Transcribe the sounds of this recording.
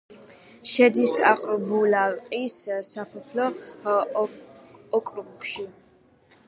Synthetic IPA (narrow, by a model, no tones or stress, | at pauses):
ʃɛd̪isa̰qʼɾbulalqʼissapʰɛtʰlɔ | kʼɾubkʃi